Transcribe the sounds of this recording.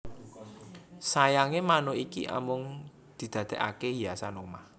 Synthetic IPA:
sajaŋemanoikḭʔa̰mʊŋ | d̪̥i̤d̪̥a̤d̪̥ɛ̤ʔa̰keɦijasanomah

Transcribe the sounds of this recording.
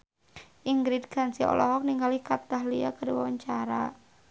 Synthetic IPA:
ʔiŋɡɾidɡ̥a̤nsiɔ̰lʔɔɦɔk̚niŋɡalikat̪aɦlia̰kəɾiwawaɲt͡ʃaɾa

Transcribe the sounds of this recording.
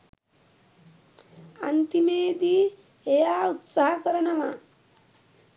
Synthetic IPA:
ant̪imeːd̪i | ejaːut̪saɦɐkəɾɐnɐʋɐ

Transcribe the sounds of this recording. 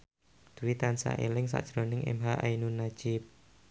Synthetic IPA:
d̪̥uwit̪ansa̰ʔelɪŋsa̰ʔd̥ʒ̥ɾonɪŋʔḛmɦaʔainunḁd͡ʒ̥ɪp̚

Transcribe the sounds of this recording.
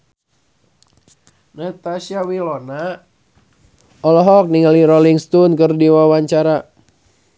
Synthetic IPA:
nat̪asiawilɔna | ɔlɔɦɔk̚niŋaliɾɔliŋst̪unkərdiwawaɲt͡ʃaɾa

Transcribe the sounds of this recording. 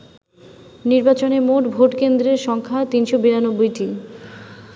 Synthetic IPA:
niɾbat͡ɕonemoʈbʱoʈkend̪ɾeɾʃɔŋkʰat̪inʃobiɾanobːojʈi

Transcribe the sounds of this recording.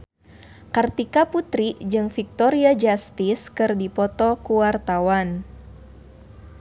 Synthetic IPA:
kart̪ikaput̪ɾiʔd͡ʒɨŋfik̚t̪ɔɾiad͡ʒast̪iskɨrdipɔt̪ɔkuwart̪awan

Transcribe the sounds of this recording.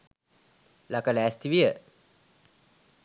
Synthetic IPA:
lakələæst̪iʋijə

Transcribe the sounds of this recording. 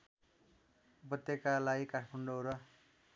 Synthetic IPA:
bʌt̪jekalajikaʈʰmʌɳɖoɾʌ

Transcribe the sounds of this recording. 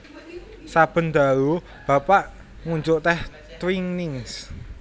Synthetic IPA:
sab̥ə̤nd̪a̤ɾu | b̥ä̤paʔ | ŋuɲd͡ʒʊʔt̪ɛh | t̪wiŋnɪŋs

